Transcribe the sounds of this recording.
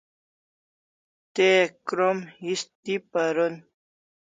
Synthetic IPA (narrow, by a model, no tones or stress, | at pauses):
t̪ekɾomist̪ipɐɾon